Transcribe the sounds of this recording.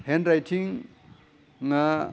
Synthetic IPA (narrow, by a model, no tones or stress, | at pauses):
hendɾajtʰiŋ | ŋa